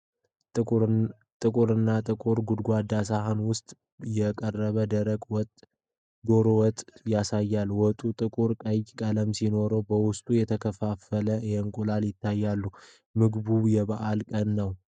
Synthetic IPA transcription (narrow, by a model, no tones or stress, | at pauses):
t̪ʼɨkʼuɾɨnːat̪ʼɨkʼuɾɡud̪ɡʷad̪asaɦanwʊst̪ʼ | jɛkʼərːəβəd̪əɾəɡʼwɔt̪ʼ | d̪o̞ɾowɔt̪ʼjasajːalwɔt̪ʼut̪ʼɨkʼuɾkʼəjkʼələmsino̞ɾəwbəwʊst̪ʼujɛt̪ʰəkʰəfafələjɛŋkʼulaljɪt̪ʰːajːalːu | mɨɡbujɛβaʔalkʼənːəw